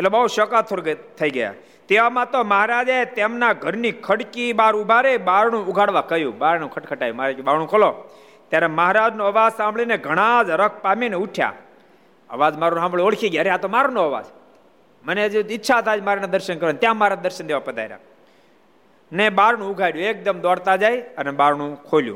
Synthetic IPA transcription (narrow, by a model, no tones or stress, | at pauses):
etlebəɦuʃəkat̪ʰːoɾt̪ʰəiɡəja̰ | t̪eʋamãt̪oməɦaɾad͡ʒaet̪emnaɡʱəɾnikʰəɽkibaɾubʱaɾebaɾnũʊɡʱaɽʋakəjũbaɾnũkʰəʈkʰəʈajũmaɾekbaɾnũkʰolo | t̪jaɾeməɦaɾad͡ʒnoəʋad͡ʒsãmbɭineɡʱəɽ̃ãd͡ʒəɾək̚ʰpamineuʈʰja̰ | ə̰ʋad͡ʒmaɾunɦãmbɭooɽkʰiɡjaɾeɦat̪omaɾunõəʋa̰d͡ʒ | məned͡ʒɪtːʃʰat̪ʰad͡ʒmaɾanad̪əɾʃənkəɾənt̪jãmaɾad̪əɾʃənd̪eʋapəd̪ajɾa̰ | nebaɾnũʊɡʱaɽjũek̚d̪əmd̪ɔɽt̪ad͡ʒajənebaɾɳũkʰoljṵ̃